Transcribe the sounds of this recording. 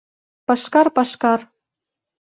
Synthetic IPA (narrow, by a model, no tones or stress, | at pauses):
pɑʃkɑrpɑʃkɑr